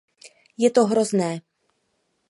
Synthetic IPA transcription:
jɛt̪ɔɦɾɔznɛː

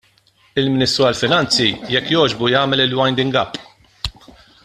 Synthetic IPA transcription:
ɪlmɪnɪst̪ɾuɐlfɪnɐnt͡sijɛkːjɔːd͡ʒbujɐːmɛlɪlwɐjnd̪ɪŋɡɐpː

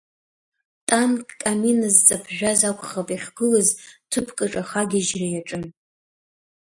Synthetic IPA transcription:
tʼankːʼaminazt͡sʼapʰʒᶣazakʷʰʼχapʼiχʲɡɨlaztʰɨpʰkʼɨʈ͡ʂʼaχaɡʲiʒrajaʈ͡ʂʼɨn

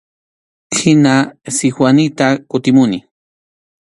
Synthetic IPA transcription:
kʰinasixwanit̪akut̪imuni

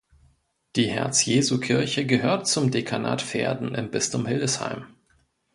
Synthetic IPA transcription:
d̥iːhɛ̰ɐt͡sjeːzukʰɪɐçəɡəɦøːɐtt͡sʊmdekʰana̰ːtfḛːɐdn̩ʔɪ̰mbɪstʊmhɪldəsha̰ɪm

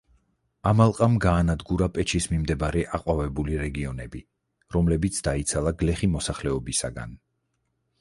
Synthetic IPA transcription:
amalˠqʼamɡaːnad̪ɡuɾapʼɛt͡ʃʰismimd̪ɛbaɾɛʔaqʼwavɛbuliɾɛɡiɔnɛbi | ɾɔmlɛbit̪sʰd̪ait̪sʰalˠaɡlɛχimɔsaχlɛɔbisa̰ɡa̰n

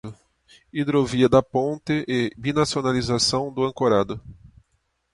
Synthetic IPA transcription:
ʊ | id̪ɾoviɐd̪ɐpõnt̪ɪʔɪbinasionalizasɐ̃w̃d̪ʊɐ̃ŋkoɾad̪ʊ

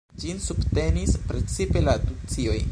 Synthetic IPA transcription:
d͡ʒinsubte̞nispɾe̞t͡sipe̞latut͡sio̞j

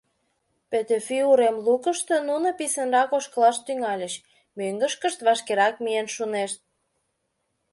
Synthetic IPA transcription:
pet̪efyuɾemlukə̆ʃt̪ønunə̆pisə̆nrɑkoʃkə̆lɑʃt̪yŋɑlʲə̆ʃ | møŋɡə̆ʃkə̆ʃt̪βɑʃkeɾɑk̚mienʃuneʃt̪̚

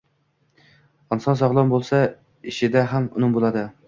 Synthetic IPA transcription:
ɑnsɑnsɑʁlˠɑmbolˠsɑ | iʃɪd̪æɦæmʊ̰nɨmbolˠɑd̪ɨ

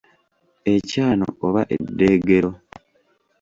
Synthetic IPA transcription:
e̞caːno̰oβaʔḛdːeːɡe̞ɾo̞

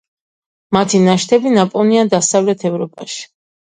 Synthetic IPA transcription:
mat̪ʰinaʃt̪ʰɛbinapʼɔniad̪asavlɛt̪ʰɛvɾɔpʼaʃi̥

